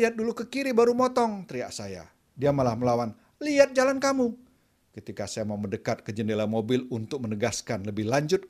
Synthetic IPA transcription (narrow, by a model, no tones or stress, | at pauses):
iat̪̚dulukəkiɾibaɾumɔt̪ɔŋt̪ɾiaʔsaja̰ | diamalahməlawan | liat̪̚d͡ʒalankamu | kət̪ikasajamaumədəkat̪̚kəd͡ʒənelamobɪlunt̪ʊk̚mənəɡaskanləbɪhlaɲd͡ʒʊt̪̚